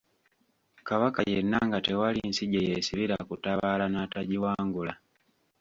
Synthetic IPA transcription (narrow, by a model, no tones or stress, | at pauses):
kaβakajenːaŋɡatewalinsiɟejesiβiɾakutaβaːlanaːtaɟiwaːŋɡula